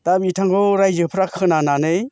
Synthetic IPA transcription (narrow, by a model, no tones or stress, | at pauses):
t̪abitʰaŋkoɾajzɯpʰɾakʰɯnananɯj